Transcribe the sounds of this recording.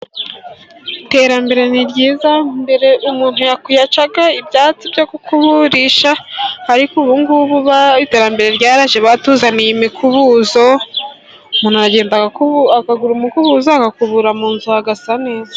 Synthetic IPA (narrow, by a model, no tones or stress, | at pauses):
ite̞ɾambe̞ɾe̞niɾɟiːzambe̞ɾe̞ʔumuːn̥hujakujat͡ʃaɡaibɟaːt͡sibɟokukʰuβuɾiʃahaɾikuβuŋɡuβuβaite̞ːɾambe̞ɾe̞ɾɟaːɾaʒeβatuzanijimikʰuβuzo | umuːnhuaɾaɟe̞ːndaɡakaɡuɾumikuβuzoakakuβuɾamuːnzuhaɡasane̞ːza